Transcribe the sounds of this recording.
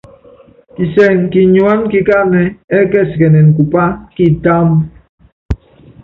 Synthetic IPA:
ki˨sɛ˦˨ŋki˨ɲwa˦nki˨ka˦nɛ˨ɛ˦kɛ˦˨si˨ke˨nɛ˨n˨ku˨pa˦ki˦ta˦m

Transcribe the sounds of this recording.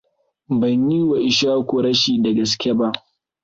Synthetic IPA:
bɐ˨ɲji˦wa˨ʔɪ˨ʃaː˦kʷo˨ɾɐ˦ʃiː˨dɐ˨ɡɐ˨skʲe˦ba˦ʔ

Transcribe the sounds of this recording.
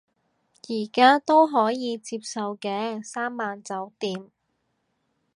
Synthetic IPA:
jiː˨˩kaː˥t̪o˥wɦɔː˨˥jiː˨˧t͡siː˧p̚sɐ˨wkɛː˧saː˥mːaː˨˧nt͡sɐ˨˥wt̪iː˨˥m

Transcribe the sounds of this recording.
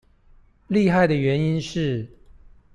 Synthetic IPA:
li˥˧xa˥˩ɪd̪ə˩ɥɛ˧˥ni˥nʂɻ̩˥˩

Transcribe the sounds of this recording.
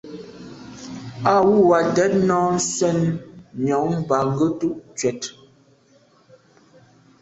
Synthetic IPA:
a˦˨wu˦˨wa˨dɛ˨˦t̚nɔ˦n̩˦sɛ˦˨nmjɔ˨ʔm̩˦ba˨ŋ̩˦ɡə˦tu˦ʔt͡ʃɥɛ˨t

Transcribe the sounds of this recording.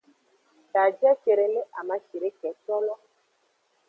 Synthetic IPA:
ta˨d͡ʒɛ˦ʃe˨ɾe˨le˦ʔa˨ma˦ʃe˨ɾe˦kɛ˨t͡ʃɔ˦lɔ˦

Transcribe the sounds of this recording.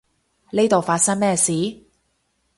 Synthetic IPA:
ne˥jt̪o˨wfaː˧t̚sɐ˥ŋmɛː˥siː˨˥˦

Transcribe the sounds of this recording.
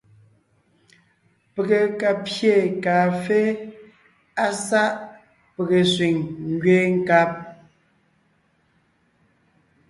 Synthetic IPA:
pe˨ɣe˨ka˨pje˦˨kaː˨fe˦ | a˦sa˦ʔ | pe˨ɣe˨swi˨ŋŋ˦ɡɥeː˦ŋ̩˦˨ka˦p̚

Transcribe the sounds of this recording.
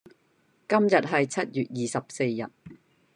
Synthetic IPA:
kɐ˥mjɐ˨t̚ɦɐ˨jt͡sʰɐ˥t̚jyː˨t̚jiː˨˩sɐ˨p̚se˧jːɐ̰˨t̚

